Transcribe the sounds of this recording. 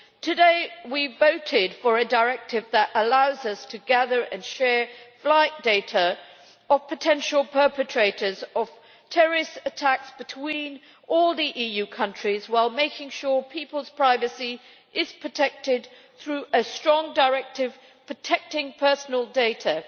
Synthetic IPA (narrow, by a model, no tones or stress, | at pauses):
tʰɨdeɪwivoʊɾɪdfə˞ɨdəɹɛk̚tɪvðəɾʔəlaʊzʌstʰɨɡæðə˞ʔɨ̰̃nʃɛɹflaɪt̚d̥eɪɾə | əv̥pʰɨtʰɛ̃nʃl̩ˠpʰɜ˞pɨtʰɹ̥eɪɾə˞zəv̥ | tʰɛɹɪsətʰæksb̥ɨtʰw̥ĩn | ɔlˠðiʔijʉkʰʌ̃nt͡ʃɹ̥izwaɪlˠmeɪkɪ̃ŋʃʊɹpʰipəlˠz̥pʰɹ̥aɪvɨsi | ʔɪz̥pʰɹ̥ətʰɛk̚tɪd̪̚ | θɹʉʔɨstɹ̥ɔ̃ŋdəɹɛk̚tɪv̥ | pʰɹ̥ətʰɛk̚tɪ̃ŋpʰɜ˞sn̩əl̩ˠdeɪɾə